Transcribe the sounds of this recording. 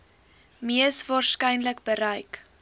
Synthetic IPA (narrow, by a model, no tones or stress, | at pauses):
miəsvɑːrskɛjnləkbəɾəjk